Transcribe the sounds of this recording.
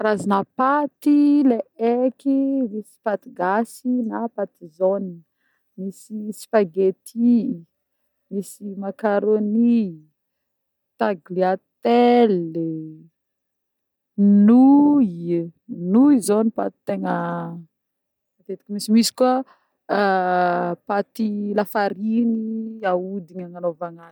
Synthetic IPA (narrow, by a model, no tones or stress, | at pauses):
ɾazinapat̪ileekimisi̥pat̪iɡasinapat̪izon | misisi̥faɡet̪ʰi | misimakaɾoni | t̪aɡliat̪el | nu | nuizonipa̰t̪i̥t̪eŋə | at̪et̪i̥kʲimisimisi̥kua | pat̪ilafaɾiniaud̪iɲaŋanovaŋa